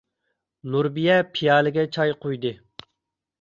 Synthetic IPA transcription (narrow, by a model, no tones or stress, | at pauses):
nuɾbijɛpʰijɑːlɪɡʲɛt͡ʃʰɑjqʰojd̪ɨ